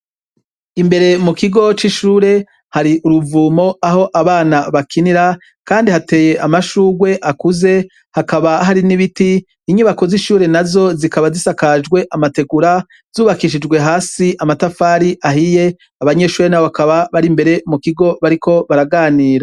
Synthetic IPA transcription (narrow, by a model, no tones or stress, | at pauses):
imbe̞ɾe̞mukiɡo̞t͡ʃiʃuːɾe̞ | haɾiʔuɾuvuːmo̞aɦo̞ʔaβaːnaβakʰiniɾa | kaːndihate̞ːje̞ʔamaʃuːɡwe̞ʔakuze̞ | hakaβaɦaɾiniβitiː | ɲuβako̞ziʃuːɾe̞nazo̞zikaβazisakad͡ʒɡwe̞ʔamate̞ɡuɾa | z̥uːβakiʃ̬id͡ʒɡwe̞ɦaːsiʔamatafaːɾiʔaɦije̞ | aβaɲe̞ːʃuːɾe̞nawoβakaβaβaɾimbe̞ɾe̞mukiɡo̞βaɾikʰo̞βaɾaɡaːniːɾa